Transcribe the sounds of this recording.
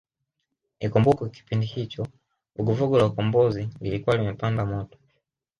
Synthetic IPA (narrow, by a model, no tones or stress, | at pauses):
nikɔmbukɔki̥pindihit͡ʃɔ | vuɡuvuɡulaukɔmbɔzililikuwalimɛpandamɔtɔ̥